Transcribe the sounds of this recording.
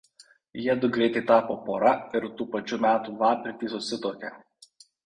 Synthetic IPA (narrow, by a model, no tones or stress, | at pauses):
jɛːd̪ʊɡɾʲeːt̪ʲɪt̪ɑːpopoɾɑɪɾt̪uːpɐt͡ʃʲumʲæːt̪uʋɑːpʲɾʲɪt̪ʲiːsɔsʲɪt̪oːkʲɛ̰